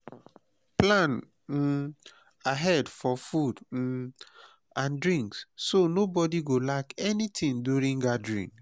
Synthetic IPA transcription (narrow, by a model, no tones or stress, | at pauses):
plãn̩ | aɦɛdfɔfud̩ | ãndɹĩŋkssonobɔdiɡolakɛnitʰĩŋduɹĩŋɡadɹḭ̃ŋ